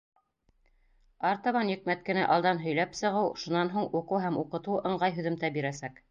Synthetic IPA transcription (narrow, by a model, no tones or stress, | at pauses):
ɑɾt̪ɑβɑnjɘ̆k̚mæt̪̚kɘ̆næʔɑlˠd̪ɑnɦɵ̆jlæpsɤ̆ʁɤwʃunɑnɦuɴuqɤwɦæmuqɤ̆t̪uɤ̆ɴɢɑjɦɵ̆ðɘ̆mt̪æbiɾæsæk